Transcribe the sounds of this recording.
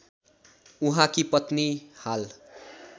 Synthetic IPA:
uɦãkipʌt̪nihal

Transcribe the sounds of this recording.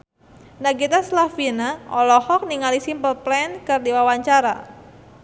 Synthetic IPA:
naɡit̪aslafinaɔlɔhɔk̚niŋalisimpəlplɛnkɨrdiwawaɲt͡ʃaɾa̰

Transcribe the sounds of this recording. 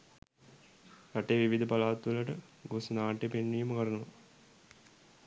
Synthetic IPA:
ɾaʈejʋiʋid̪ʱəpalaːt̪ːʋələʈə | ɡoːsɐnaːʈːepenːijməkəɾənuʋɐ

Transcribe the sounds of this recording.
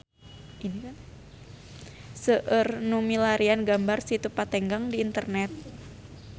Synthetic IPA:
inikan | səʔərnumilaɾianɡambarsit̪upat̪ɛŋɡaŋdiːnt̪ərnɛt̪̚

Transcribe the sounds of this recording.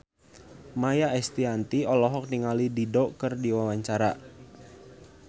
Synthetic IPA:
majaʔɛst̪iant̪iɔlɔɦɔk̚niŋalididɔkərdiwawaɲt͡ʃaɾa

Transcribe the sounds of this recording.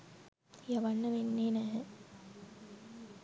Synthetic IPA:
jaʋanːəʋenːeːnæɦə

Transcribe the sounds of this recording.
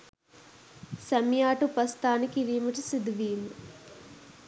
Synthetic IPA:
sɐmjaːʈupɐst̪aːnikiɾiːmɐʈisid̪ʋiːlu

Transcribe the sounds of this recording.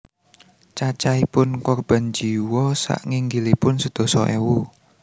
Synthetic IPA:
t͡ʃat͡ʃaipʊnkɔrb̥a̤nd͡ʒiwɔsa̰ʔŋiŋɡilipʊnsəd̪̥ɔ̤sɔʔɛwu

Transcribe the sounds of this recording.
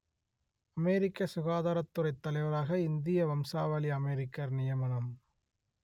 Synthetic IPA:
ɐmeːɾɪkːɐsʊɣaːðaːɾɐt̪ːɯɾɐɪt̪ːɐlɐɪʋɐɾaːɣɐɪnd̪ɪjɐʋɐmsaːʋɐliɐmeɾɪkːɐɾnɪjɐmɐnɐm

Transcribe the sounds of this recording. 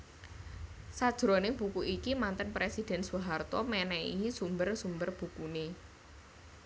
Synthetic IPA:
sad̥ʒ̥ɾɔnɪb̥ukuʔikimant̪ənpɾesid̥ɛ̤nsuɦart̪ɔmɛnɛiisumbərsumbərb̥ukune

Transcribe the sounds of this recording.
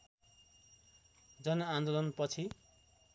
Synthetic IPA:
d͡zʌnʌand̪olʌnpʌt͡sʰi

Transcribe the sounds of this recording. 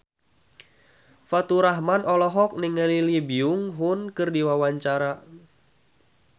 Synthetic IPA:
fat̪uɾaɦmanʔɔlɔɦɔk̚nɪŋəlilibiʊŋɦʊnkɨrdiwawaɲt͡ʃaɾa

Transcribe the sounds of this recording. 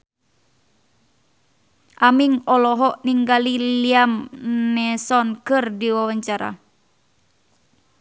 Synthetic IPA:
ʔamiŋɔlɔɦɔʔniŋɡaliliamnɛsɔnkɨrdiwawaɲt͡ʃaɾa̰

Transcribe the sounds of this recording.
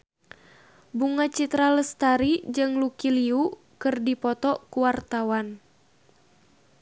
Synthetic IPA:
buŋat͡ʃit̪ɾaləst̪aɾid͡ʒɨŋlukiliuʔ | kɨrdipɔt̪ɔkuwart̪awan

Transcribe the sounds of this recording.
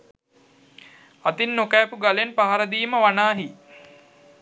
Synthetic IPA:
at̪inːokæːpuɡalenpaɦaɾəd̪iːməʋanaːɦi

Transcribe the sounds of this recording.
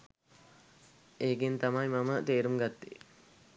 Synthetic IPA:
eːɡint̪ɐmɐjmɐmət̪eːɾumɡɐt̪ːi

